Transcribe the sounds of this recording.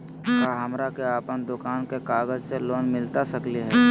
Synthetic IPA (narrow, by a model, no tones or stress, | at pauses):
kaːɦɐmɾakeaːpənd̪ʊkaːnkekaːɡəd͡ʒseloːnmɪlt̪asəkliɦɛː